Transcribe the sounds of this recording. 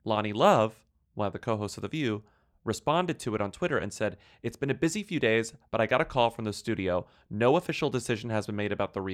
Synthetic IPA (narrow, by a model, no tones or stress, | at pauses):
lɑñilʌv̥ | wʌ̃nʌvðɨkʰoʊɦoʊstsʌvðɨvjʉ | ɹɨspɑ̃ndɨd̚tʰɨɨɾn̩tʰw̥ɪɾə˞ʔɨ̰̃nsɛɾ | ɨtsb̥ɨ̃nɨbɪzifjʉdeɪzb̥ʌɾaɪɡɑɾɨkʰɔlˠfɹʌ̃mðɨstʉɾioʊ | noʊəfɪʃl̩ˠdɨsɪʒ̃n̩ɨzbɨ̃n̩meɪɾɨbaʊt̪̚ðəɹi